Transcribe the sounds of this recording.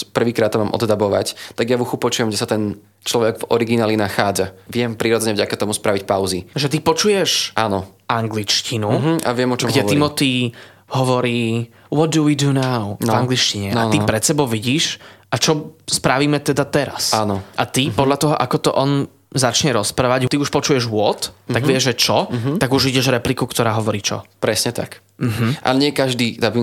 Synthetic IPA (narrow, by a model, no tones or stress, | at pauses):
pr̩ʋiːkɾaːt̪ːɔmaːmʔɔ̰d̪d̪abɔʋa̰ct̪aɡjaʋuxupɔt͡ʃujɛmɡɟɛsat̪ɛn | t͡ʃlɔʋɛɡvɔɾiɡinaːlinaxaːd͡zaʋɪɛmpɾiːɾɔd͡zɛɲɛvɟakat̪ɔmuspɾaʋicpaʊziʒɛt̪̬ipɔt͡ʃujɛʃʔaːnɔʔaŋɡlit͡ʃcinua̰ʋɪɛmɔt͡ʃɡɔmɡɟɛimɔt̪iː | ɦɔʋɔɾiː | ʋɔd̪̚d̪uiːd̪unaʊvaŋɡlit͡ʃciɲɛaipɾɛt̪sɛbɔʊʋiɟiːʃʔat͡ʃɔspɾaʋiːmɛt̪ɛd̪at̪ɛɾa̰sanɔʔat̪ipɔd̪lʎat̪ɔɦɔʔakɔt̪ɔʔɔn | zat͡ʃɲɛɾɔspɾaːʋaɟt̪iuʃpɔt͡ʃujɛʒʋʊɔt̪aɡʋɪɛʒɛt͡ʃɔt̪aɡuʒʋiɟɛʒɾɛplikukt̪ɔɾaːɦɔʋɔɾiːt͡ʃɔ̰pɾɛsɲɛt̪a̰k | m̩ɦm̩ʔa̰ɲɪɛkaʒd̪iːd̪abi